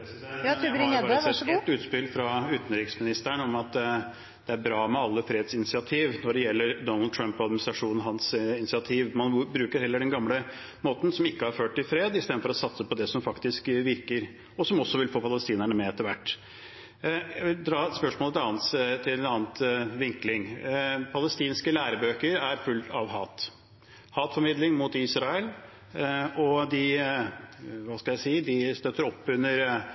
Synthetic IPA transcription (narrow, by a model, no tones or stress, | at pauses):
ɾɪɑsɛɛt̪ːʉːt̪spɪlfɾɑʉːt̪n̩ɾɪːksmɪnɪst̪əɳɔmɑt̪ | d̪̥ɛæɾbɾɑːmɛɑlːəfɾeːd̪sɪnɪsɪɑt̪ʰiːʋnɔɖɛjɛlːəɾd̪ɔnɑld̪̚t̪ʰɾœmpɔɑd̪mɪnɪst̪ɾɑʂuːn̩ɦɑnsɪnɪsɪɑt̪ʰiːʋmɑnbɾʉːkəɾhɛlːəɖɛnɡɑmlə | moːt̪n̩sɔmɪkːəhɑɾføːʈ̚ʈ̪ːɪlfɾeːd̪ɪst̪eːd̪fɔɾɔsɑt̪səpɔd̪ɛsɔmfɑkt̪ɪskʋɪɾkəɾ | ɔsɔmɔsːɔʋɪlfoːpʰɑləst̪iːnəɳəmɛɛt̪ːəɾʋæʈː | jæʋɪld̪ɾɑːɛt̪spœʂmoːlət̪ɑːnt̪t̪ʰɪlɛnɑːnt̪ʋɪŋklɪŋpʰɑləst̪iːnskəlæːɾəbøːkəɾæɾfʉlt̪ɑʋɦɑːt̪ | hɑːt̪fɔɾmɪd̪lɪŋmʊt̪isɾɑəl | ɔd̪ɪ | ʋɑːskɑljæɪsiːəd̪ɪst̪øt̪ːəɾɔpːʉnːəɾ